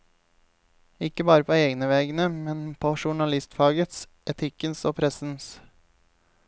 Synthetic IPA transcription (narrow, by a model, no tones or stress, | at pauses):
ɪkəbɑːɾəpʰoːeːɡnəʋeːɡnəmɛnpʰoːʃʊɳɑlɪst̪fɑːɡət̪s | ɛt̪ʰɪkənsoːpʰɾɛsn̩s